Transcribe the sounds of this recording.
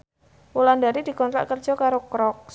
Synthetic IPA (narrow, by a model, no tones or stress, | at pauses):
wulandaɾid̥̪i̤kɔnt̪ɾa̰ʔkərd̥ʒ̥ɔ̤kaɾokɾɔk̚